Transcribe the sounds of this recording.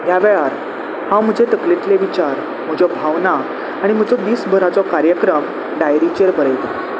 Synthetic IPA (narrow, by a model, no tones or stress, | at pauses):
ɦjaʋɛɭaɾ | hãwm̤əd͡ʑʱet̪əklet̪leʋit͡ɕaɾ | m̤əd͡ʑɔbʱaʋnaː | ɽ̃im̤əd͡zɔd̪iːsbʱəɾat͡sɔkaɾjəkɾəm | ɖajɾit͡ɕeɾbəɾəjt̪a